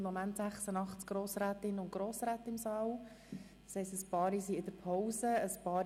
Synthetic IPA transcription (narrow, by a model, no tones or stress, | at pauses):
momænt̪sæχsənɑχtt͡sɡ̥ɾoːsɾæːt̪ɪnəʊntɡ̥ɾoːsɾæːtɪmsɑːw̥ | shɛɪstəspɑːɾisiɪd̥̪əɾpʰɔwsəəspɑːɾ